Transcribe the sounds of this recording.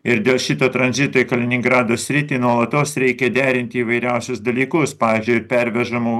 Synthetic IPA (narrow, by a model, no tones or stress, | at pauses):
ɪɾd̪ʲeːlˠʃʲɪt̪oːt̪ɾɐnʲzʲɪt̪oːɪkɐlʲɪnʲɪŋɡɾɑːd̪oːsʲɾʲɪt̪ʲiːnuɔlˠɐt̪oːsɾʲɛɪkʲɛd̪ʲæːɾʲɪnʲt̪ʲɪiːʋɐɪɾʲæʊsʲʊsd̪ɐlʲiːkʊspɑːʋʲiːzʲd͡ʒʲʊɪɪɾpʲɛɾʲʋʲɛʒɐmuː